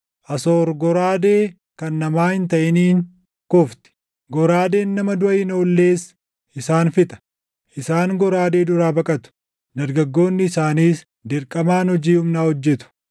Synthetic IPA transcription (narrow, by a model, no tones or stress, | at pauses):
ʔɐsoːɾɡɔɾaːd̪e̞ː | kɐnːɐmaːhɪnt̪̬ɐʔɪniːŋ | kɔft̪ɪ̥ | ɡɔɾaːd̪e̞ːnːɐmɐd̪ʊʔɐɪno̞ːlːe̞ːs | ʔɪsaːnfɪt̪ɐ̥ | ʔɪsaːŋɡɔɾaːd̪e̞ːd̪ʊɾaːbɐkʼɐt̪ʊ̥ | d̪ɐɾɡɐɡːo̞ːnːɪːsaːniːs | d̪ɪɾkʼɐmaːnhɔd͡ʒiːhʊmnaːhɔd͡ʒːɛt̪ʊ̥